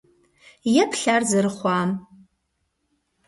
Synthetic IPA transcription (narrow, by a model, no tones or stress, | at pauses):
jɛpʰɬarzɐɾɨχʷɑːm